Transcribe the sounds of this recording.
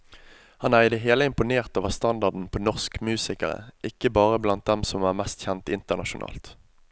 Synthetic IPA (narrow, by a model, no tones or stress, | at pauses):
hɑnæːʁɪd̪ɛɦeːləɪmpʊneːʁt̪oːʋəʁst̪ɑnd̪ɑʁd̪n̩pʰoːnɔʁskmʉːsɪkəʁə̰ʔɪkːəbɑːʁəblɑnt̪̚d̪ɛmsɔmæːʁmɛst̪çɛnt̪ɪnt̪əʁnɑʃʊnʔɑ̰ːlt̪